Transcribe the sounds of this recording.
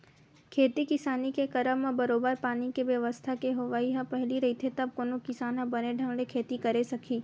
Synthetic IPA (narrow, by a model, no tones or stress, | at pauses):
kʰeːt̪ikɪsaːnikekɐɾəʋmãbɐɾoːbəɾpaːnikeʋjɐʋəst̪ʰakeɦoʋaːiɦɐ̃pɐɦɪliɾɐɦit̪ʰet̪ɐb̚konokɪsaːnɦɐ̃bɐneɖʱə̃ŋɽekʰeːt̪ikɐɾesɐkʰiː